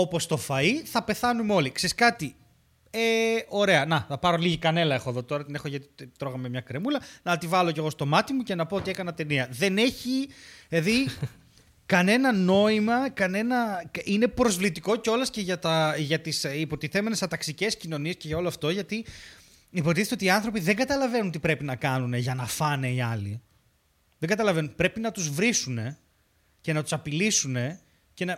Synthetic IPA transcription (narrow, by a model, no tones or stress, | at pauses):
o̞po̞st̪o̞fɐiθɐpe̞θɐnumeo̞likseɾiskɐt̪i | eo̞ɾe̞ɐnɐθɐpɐɾo̞liʝikɐne̞lɐexoeðo̞t̪o̞ɾɐt̪ine̞xoʝɐt̪i̥t̪ɾo̞ɣɐmemɲɐkɾe̞mulɐnɐːt̪ivɐloce̞ɣo̞st̪o̞mɐt̪imuce̞nɐpo̞ot̪ie̞kɐnɐt̪e̞niɐðe̞ne̞çieði | kɐne̞nɐno̞imɐkɐne̞nɐine̞pɾo̞zvlit̪iko̞ceo̞lɐsce̞ʝɐt̪ɐʝɐt̪isipo̞t̪iθe̞me̞nest̪ɐt̪ɐksice̞scino̞nie̞sce̞ʝɐo̞loɐft̪o̞ʝɐt̪i | ipoɾt̪iθet̪eot̪iɐnθɾo̞piðe̞ŋɡɐt̪ɐlɐve̞nunt̪ipɾe̞pinɐkɐnuneʝɐnɐfɐneiɐlḭ | ðe̞ŋɡɐt̪ɐlɐve̞nunpɾe̞pinɐt̪uzvɾisune̞ | ce̞nɐt̪u̥sɐpilisune̞ | ce̞nɐ